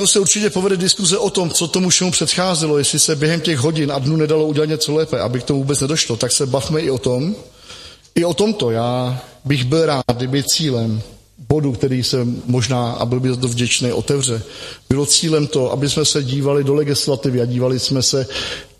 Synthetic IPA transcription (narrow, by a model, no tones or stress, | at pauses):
ɛosɛuɾt͡ʃɪcɛpovɛdɛdɪskuzɛʔo̞t̪o̞mt͡so̞t̪omufʃɛmupr̥ɛt̪xaːzɛlo̞jɛslɪsɛbjɛɦɛmcɛɣɦo̞ɟɪnadnuːnɛdalo̞uɟɛlat̪ɲɛt͡so̞lɛːpɛʔa̰bɪkt̪omuvuːbɛt͡snɛdo̞ʃlot̪aksɛbafmɛʔɪo̞t̪o̞m | ʔɪo̞t̪o̞mt̪o̞jaːbɪɣbɪlɾaːt̪̚dɪbɪt͡siːlɛm | bo̞dukt̪ɛɾiːsɛmːo̞ʒnaːʔa̰bɪlbɪlt̪ovɟɛt͡ʃnɛjʔo̞̰t̪ɛvr̝ɛb̥ɪlo̞t͡siːlɛmt̪o̞ʔa̰bɪsmɛsɛɟiːvalɪdo̞lɛɡɪslat̪ɪvɪaɟiːvalɪsmɛsɛ